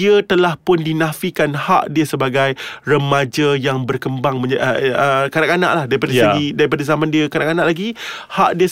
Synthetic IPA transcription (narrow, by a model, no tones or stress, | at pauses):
iət̪əlahpʊndinãfikanha̰ʔdiəsəbaɡajrəmad͡ʒəjaŋbərkəmbaŋmə̃d͡ʒaəkadaʔkana̰ʔlahdaɾipadasəɡidaɾipadazamãndiəkadaʔkanãʔlaɡi | haʔdiə